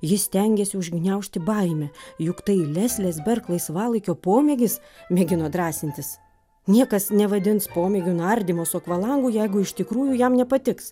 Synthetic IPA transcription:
jɪsʲt̪ʲɛŋʲɡʲɛsʲɪʊʒʲɡʲnʲɛʊʃʲt̪ʲɪbɐɪmʲɛjʊkt̪ɐɪlʲæsʲlʲesbʲɛɾklˠɐɪsʋɑːlˠɐɪkʲoːpoːmʲeɡʲɪs | mʲɛɡʲɪnoːd̪ɾɑːsʲɪnʲt̪ʲɪs | nʲiɛkɐsnʲɛʋɐd̪ʲɪnspoːmʲɛɡʲʊnɐɾʲd̪ʲɪmoːsʊɐkʋɐlˠɐŋɡʊːjɛɪɡʊɪʃt̪ʲɪkɾuːjʊjɛmnʲɛpɐt̪ʲɪks

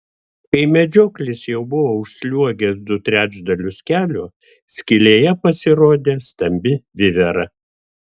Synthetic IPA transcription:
kɐɪmʲɛd͡ʒʲoːklʲɪsjɛʊbʊʋoːʊʃʲsʲlʲuɔɡʲes̬d̪ʊt̪ʲɾʲæːd͡ʒd̪ɐlʲʊskʲæːlʲuː | sʲkʲɪlʲeːjɛpɐsʲɪɾoːd̪ʲeːst̪ɐmʲbʲɪʋʲɪʋʲɛɾɐ

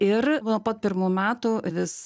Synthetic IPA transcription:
ɪrnuːpɐt̪̚pʲɪɾmuːmʲæːt̪uːʋʲɪs

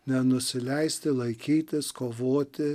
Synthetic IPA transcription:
nʲɛnʊsʲɪlʲɛɪsʲt̪ʲɪlˠɐɪkʲiːt̪ʲɪskoːʋoːt̪ʲɪ

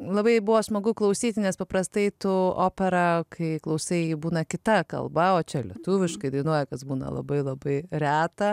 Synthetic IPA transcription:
lˠɐbɐɪbʊʋoːsmɐɡʊklˠɐʊsʲiːt̪ʲɪnʲɛspɐpɾɐst̪ɐɪt̪ʊoːpʲɛɾɐkʰɐɪklˠɐʊsʲeibuːnɐkʲɪt̪ɐkɐ̰lˠbɐoːt͡ʃʲɛlʲɛ̰t̪uʋʲɪʃkɐɪd̪ɐɪnuɔjɛkɐsbuːnɐ̰lˠɐ̰bɐɪlˠɐbɐɪrʲæːt̪ɐ

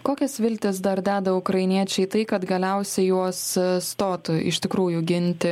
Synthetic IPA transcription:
koːkʲɛsʋʲɪlʲt̪ʲɪsd̪ɐɾd̪ʲæːd̪ɐʊkɾɐɪnʲiɛt͡ʃʲɛɪt̪ɐɪkɐt̪ɡɐlʲɛʊsʲɛɪjuɔsst̪oːt̪ʊɪ̰ʃʲt̪ʲɪkɾuːjʊɡʲɪnʲt̪ʲɪ

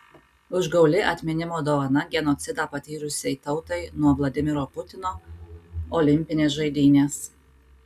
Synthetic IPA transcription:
ʊʒɡɒʊlʲɪʔɐt̪ʲmʲɪnʲɪmoːd̪ɔʋɐnɐɡʲɛnot̪sʲɪd̪ɑpɐt̪ʲiːɾʊsʲɛɪt̪ɒʊt̪ɐɪnuɔʋlˠɐd̪ʲɪmʲɪɾoːpʊt̪ʲɪnoː | ɔlʲɪmʲpʲɪnʲeːsʒɐɪd̪ʲiːnʲeːs

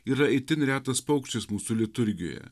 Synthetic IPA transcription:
iːɾɐɪt̪ʲɪnɾʲæːt̪ɐspɐʊkʃʲt͡ʃʲɪsmuːsʊlʲɪt̪ʊɾʲɡʲɪo̰ːjɛ̰

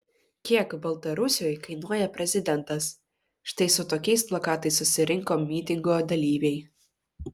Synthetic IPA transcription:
kʲiɛkbɐlˠt̪ɐɾʊsʲɪjoːjkɐɪnuɔjɛpʲɾʲɛzʲɪd̪ʲɛnt̪ɐs | ʃt̪ɐɪsʊt̪oːkʲɛɪsplˠɐkɑːt̪ɐɪsːʊsʲɪɾʲɪŋˑkoːmʲiːt̪ʲɪŋɡoːd̪ɐlʲiːʋʲɛɪ

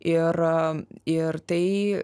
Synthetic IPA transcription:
ɪr | ɪrt̪ɐɪ

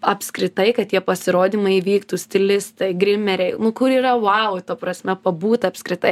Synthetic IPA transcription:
ɐpʲskɾʲɪt̪ɐɪkɐt̪tʲiɛpɐsʲɪɾoːd̪ʲimɐɪʋʲiːkt̪uːsʲt̪ʲɪlʲɪst̪ɐɪɡɾʲɪmʲɛɾʲɛɪnʊkʊɾiːrɐʋɑʊt̪ɐpɾɐsʲmʲɛpɐbuːt̪ɐpʲskɾʲɪt̪ɐɪ

